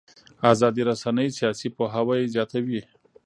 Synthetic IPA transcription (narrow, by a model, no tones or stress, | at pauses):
azɑd̪iɾasanəjsijɑsipoɦawajzjɑt̪awi